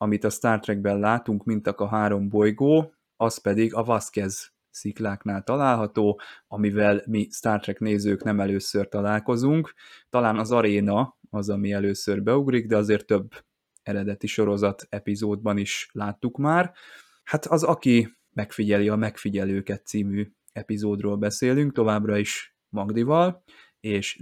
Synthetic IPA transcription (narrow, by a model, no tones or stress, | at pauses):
ɒmit̪ɒst̪aːrt̪rɛɡ̚bɛnlaːt̪uŋkmint̪ɒkɒɦaːɾo̞mbo̞jɡoː | ɒspɛd̪iɡɒvɒskɛz | siklaːknaːlt̪ɒlaːlɦɒt̪oːɒmivɛlmist̪aːrt̪rɛkneːzøːknɛmɛløːsørt̪ɒlaːlko̞zuŋkt̪ɒlaːnɒzɒɾeːnɒɒzɒmiɛløːsørbɛuɡɾiɡd̪ɛɒzeːrt̪ːøbː | ɛɾɛd̪ɛt̪iʃo̞ɾo̞zɒt̪ɛpizoːd̪̚bɒniʃlaːt̪ːukmaːr | hat̪ɒzɒki | mɛkfiɟɛliɒmɛkfiɟɛløːkɛt̪siːmyː | ɛpizoːd̪roːlbɛseːlyŋkt̪o̞vaːbrɒiʃ | mɒɡd̪ivɒl | eːʃ